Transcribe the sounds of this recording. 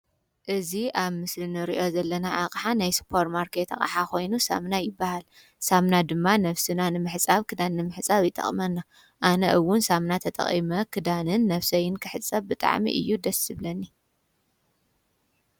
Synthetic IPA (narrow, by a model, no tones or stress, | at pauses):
ʔɨziʔaβmɨslɨnɨɾḭʔo̞zɐlːɐnaʕaqʼħanajspʰo̞ɾmaɾkʰet̪ʰa̰χʼa̰ħako̞jnusa̰mnajɪbːahal | samnad̪ɨmːanɐβsɨnanɨmɨħt͡sʼaβkʰɨd̪anɨnɨmɨħɨt͡sʼaβjɪt̪ʼɐ̰χʼmɐnːa | ʔanɐʔɨwːʊnsamnat̪ʰɐt̪ʼɐ̰χʼḭmɐkʰɨd̪anɨnːɐfsɐjɪnkʰɨħɨt͡sʼːɐβbɨt̪ʼa̰ʕmḭʔɨ̰jːud̪ɐsɨβlɐnːi